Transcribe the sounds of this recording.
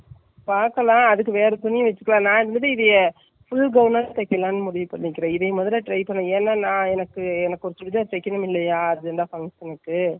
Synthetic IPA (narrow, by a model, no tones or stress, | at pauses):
paːɾkɐlãːɐðɯkːɯʋeːɾɐt̪ʊnːɪjɯ̃ʋɐt͡ʃːɯkːɐlãːnãːɪɾɯnd̪ɐðɯɪðɐjɐ | fʊlɡɐʋnɐnt̪ɐkːɐlãːnːɯmʊɽɪʋipːɐɽːɪkːɪɾɐ̃ːɪðɐmɐðɐlɐʈɾɐɪpɐnɐ̃ɛːnːɐnãːɛnɐkːɯɛnɐkːɔɾɐt̪ːɯʋɪðɐ̃sɛkːɐnɯmɪlːɐjaːɐðɯɛnd̪aːfɐŋsɛnɐkːɯ